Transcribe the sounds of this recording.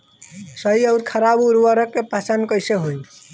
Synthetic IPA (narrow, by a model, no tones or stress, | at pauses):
səiəɾkʰəɾabuɾwəɾəkːepat͡ʃankəjseɦoj